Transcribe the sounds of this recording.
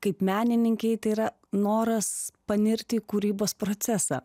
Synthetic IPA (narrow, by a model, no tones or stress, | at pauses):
kɐɪpmʲæːnʲɪnʲɪŋʲkʲɛɪt̪ɐɪiɾɐ | noːɾɐspɐnʲɪɾʲt̪ʲɪkuːɾʲiːboːspɾoːt̪sʲæsɑ̰ː